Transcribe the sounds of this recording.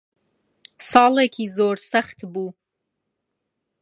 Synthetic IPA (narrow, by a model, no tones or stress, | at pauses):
sɑːlakʲʰizoːrsaχtʰbu